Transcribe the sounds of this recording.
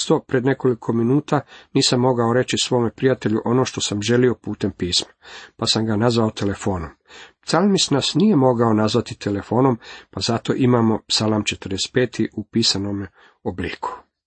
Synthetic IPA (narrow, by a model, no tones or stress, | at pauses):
st̪o̞pɾe̞d̪ne̞ko̞likʰo̞minuːt̪aniːsamːo̞ɡao̞ɾe̞t͡ʃisʋo̞ːmepɾijat̪e̞ʎuʔo̞no̞ːʃt̪o̞samʒe̞lio̞puːt̪e̞mpiːsmapasamɡanazʋaot̪ʰe̞le̞fo̞ːnompt̪salmisnasnije̞mo̞ɡao̞nazʋat̪it̪ʰe̞le̞fo̞ːno̞mpazat̪o̞ʔimamo̞psalˠamt͡ʃe̞t̪ərd̪est̪pe̞ːt̪ʰiʔupiːsano̞m | oblḭːkʰu̥